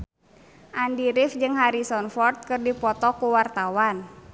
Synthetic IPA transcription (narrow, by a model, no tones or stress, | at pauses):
ʔandiɾɪfd͡ʒɨŋɦaɾisɔnfɔrt̪̚kɨrdipɔt̪ɔkuwart̪awan